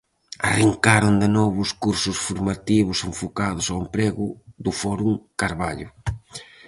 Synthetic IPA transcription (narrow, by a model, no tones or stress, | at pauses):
a̰riŋkaɾond̪ɪnɔβʊskuɾsʊsfuɾmat̪iβʊseɱfokaðʊsaempɾeɣʊðʊfɔɾuŋkaɾβaʎʊ